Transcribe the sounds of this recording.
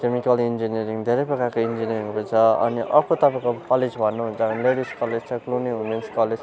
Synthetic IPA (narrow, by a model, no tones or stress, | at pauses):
kemikʌlind͡ziniʌɾiŋd̪ʱeɾʌjpʌkakoind͡ʒiniʌɾiŋpʌt͡sʰʌʌ̰niʔʔʌkʰot̪ʌpãkokʌled͡zbʱʌnːuɦũnt͡sʌbʌnleɽiskʌled͡zt͡sʰʌkluniɦunenskʌle